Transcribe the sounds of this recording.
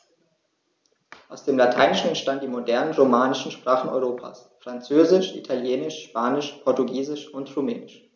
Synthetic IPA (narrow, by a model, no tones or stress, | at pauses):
ʔaʊsd̥eːmlatʰa̰ɪnɪʃn̩ɛntʃtantd̥iːmodɛɐnənʁomaːnɪʃn̩ʃpʁ̥aːχn̩ɔ̰ʏʁoːpʰa̰ːsfʁ̥ant͡søːzɪʃʔḭtʰaljeːnɪʃʃpaːnɪʃpʰɔɐtuɡiːzɪʃʊntʁumɛːnɪʃ